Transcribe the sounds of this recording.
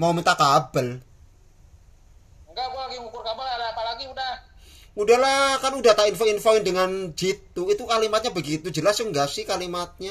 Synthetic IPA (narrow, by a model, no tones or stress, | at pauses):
mawmint̪akabəl | ŋɡaɡuaɡiŋukʊrkabalalaapalaɡiudah | mudahlakanudaht̪ainfoinfoɪndəŋand͡ʒit̪uit̪ukalimat̪̚ɲabəɡit̪ud͡ʒəlasəŋɡasɪhkalimat̪̚ɲa